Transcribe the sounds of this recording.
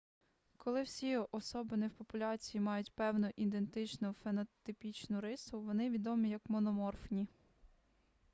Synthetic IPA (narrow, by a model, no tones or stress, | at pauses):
kɔlˠɪwsʲiɔsɔbɪnɛwpɔpʊlʲɑt͡sʲijimɑjʊtʲpɛwnʊʔid̪e̞nt̪ɪt͡ʃnʊfenɔt̪ɪpʲit͡ʃnʊɾɪsʊʋɔnɪʋʲid̪ɔmʲijɐkmɔnɔmɔrfnʲi